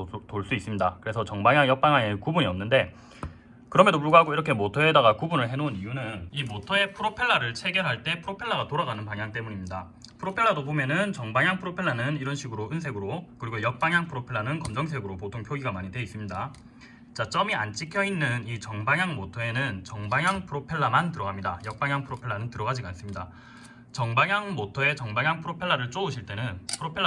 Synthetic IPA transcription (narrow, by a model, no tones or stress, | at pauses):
toɭs͈uis͈ɯmɲidakɯɾe̞sʰʌt͡ɕʌŋbaŋjaŋjʌk̚p͈aŋjaŋekubuɲiʌmnːɯnde̞ | kɯɾʌmedopuɭɡaɦaɡoiɾʌkʰe̞motʰʌe̞daɡakubunɯɭɦe̞nonijunɯnimotʰʌe̞pʰɯɾopʰe̞ɭːaɾɯɭt͡ɕʰe̞ɡjʌɾɦaɭt͈e̞pʰɯɾopʰe̞ɭːaɡatoɾaɡanɯnpaŋjaŋt͈e̞muɲimɲida | pʰɯɾopʰe̞ɭːadobomjʌnɯnt͡ɕʌŋbaŋjaŋpʰɯɾopʰe̞ɭːanɯniɾʌnɕʰiɡɯɾoʔɯnsʰe̞ɡɯɾokɯɾiɡojʌk̚p͈aŋjaŋpʰɯɾopʰeɭːanɯnkʌmd͡ʑʌŋs̬ʰe̞ɡɯɾopotʰoŋpʰjoɡiɡamaɲidwe̞is͈ɯmɲida | t͡ɕat͡ɕ͈ʌmiant͡ɕ͈ikʰjʌinːɯnit͡ɕʌŋbaŋjaŋmotʰoe̞nɯnt͡ɕʌŋbaŋjaŋpʰɯɾopʰe̞ɭːamantɯɾʌɡamɲida̰jʌk̚p͈aŋjaŋpʰɯɾopʰe̞ɭːanɯntɯɾʌɡad͡ʑiɡans͈ɯmɲida | t͡ɕʌŋbaŋjaŋmotʰʌe̞t͡ɕʌŋbaŋjaŋpʰɯɾopʰe̞ɭːaɾɯɭt͡ɕ͈ouɕʰiɭt͈e̞nɯnpʰɯɾopʰeɭː